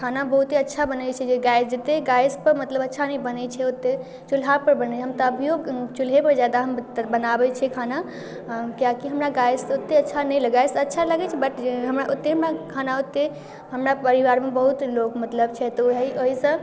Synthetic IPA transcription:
kʰanabəɦut̪eətːʃʰabənɛt͡ʃʰɛd͡ʒeɡajsd͡ʒət̪eɡajspəɾmət̪ləbətːʃʰanɛjbənɛt͡ʃʰɛot̪ːe | t͡ʃulɦapəɾbənɛt͡ʃʰɛɦəmt̪əəbʱijoɡt͡ʃulɦepəɾd͡ʒjad̪aɦəmt̪bənabɛt͡ʃʰɛkʰana | kijakiɦəmɾaɡajzot̪ːeətːt͡ʃʰanɛjləɡajsətːʃʰaləɡɛt͡ʃʰɛbəʈɦəmɾaʔot̪ːeɦəmɾakʰanaot̪ːe | ɦəmɾapəɾiʋaɾmebəɦut̪lokmət̪ləb̚t͡ʃʰɛt̪ɔiʔəɦisə̃

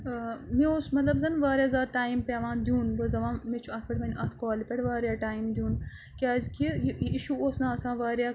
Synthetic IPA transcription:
mioːsmɐt̪lɐbzɐnʋaːɾʲjaːzaːd̪̚ʈaːimpʲeːʋãːnd̪jũːnbɐzɐʋãːmet͡ʃʰuɐt̪̚ʰpʲɐʈmɐnʲʔɐːt̪ʰkaːlipʲeʈʋaːɾjaːʈaːimd̪ʲjũːn | kʲaːzʲkijiiʃuoːsnaɐsãːʋaːɾʲjaː

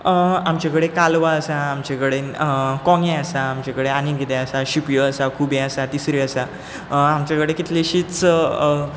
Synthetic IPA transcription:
amt͡ɕakəɽekalʋaəsaːmt͡ɕakəɽekɔ̃ŋẽəsaːmt͡ɕakəɽeaniɡʱet̪eəsaɕipjəəsakʰubẽəsat̪isɾiəsa | amt͡ɕakəɽekit̪leɕiːt͡s

